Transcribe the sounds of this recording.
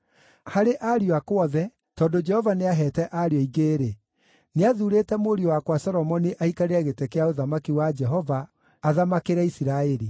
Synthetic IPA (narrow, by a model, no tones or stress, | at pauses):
haɾeʔaɾioakwɔðɛ | tɔːndod͡ʒɛhɔvaneaɦɛtɛʔaɾiɔiɣeːɾe | neaðuɾetɛmoɾiowakwasɔɾɔmɔniʔaikaɾeaɣetekeaoðamakiwad͡ʒɛɦɔvaː | ðamakeɾɛisiɾaeɾi